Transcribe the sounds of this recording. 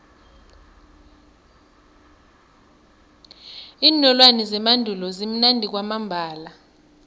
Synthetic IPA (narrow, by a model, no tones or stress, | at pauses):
iːnɔlwanɛzɛmandʱulɔzim̩nandʱik̬wamambʱaːla